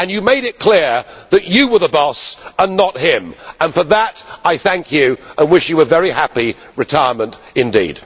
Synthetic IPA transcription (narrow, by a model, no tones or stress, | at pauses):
ɨ̃njɨmeɪɾɨt̚kʰl̥ɪɹðɨt͡ʃɨwə˞ðəbɔsə̃nːət̚ɦɪ̃mə̃nfə˞ðəɾaɪθæ̃ŋkʰjʉʔə̃nwɪʃjɨəvɛɹihæpi | ɹɨtʰaɪə˞mə̃nt | ɨ̃ndḭd̥